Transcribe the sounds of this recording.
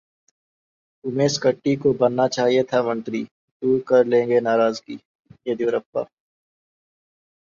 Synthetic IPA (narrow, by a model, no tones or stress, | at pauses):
ʊmeːskəʈːikobɐnːat͡ʃaːɦiet̪ʰamɐ̃nt̪ɾi | d̪uːɾkɐɾlẽːŋɡenaːɾaːzkiː | jed̪iɾɐpːa̰ː